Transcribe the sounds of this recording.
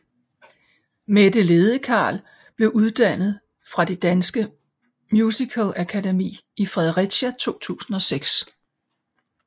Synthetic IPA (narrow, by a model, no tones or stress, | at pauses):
med̥əle̝ːð̞ˠəkʰɑ̰̈ːl | b̥le̝ʊuð̞ˠd̥æn̰ð̞̩ˠ | fʁɑ̈d̥e̝d̥ænsɡ̥ə | mjuːsikʰəlækʰædemḭːifʁɛðˠəʁi̥ɕæt͡sʰo̝̰ːt͡sʰṵːsn̩ɒ̽seɡ̥s